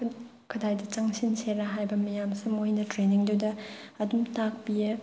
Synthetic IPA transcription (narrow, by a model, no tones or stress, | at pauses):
kʰɐdajdɐt͡ʃaŋsinseɾɐɦajbɐmɐjamsimojnɐtɾeniŋduwdɐɐdumtak̚piɐ